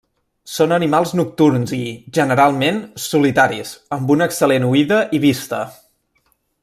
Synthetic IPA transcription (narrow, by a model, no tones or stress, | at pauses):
sonənimalˠznuk̚t̪urnziʒənəɾalˠmensulit̪aɾizəmbunəksəlenuiðəʔiβ̞ist̪ə